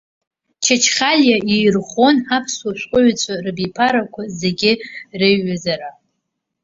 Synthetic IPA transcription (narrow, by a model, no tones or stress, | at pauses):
t͡ʃʰat͡ʃʰχʲaljaejrχo̞napʰswaʃʷʼqʼʊɥt͡sʷʰʼarɨbipʰaɾakʷʰazeɡʲɪrɨɥːazaɾa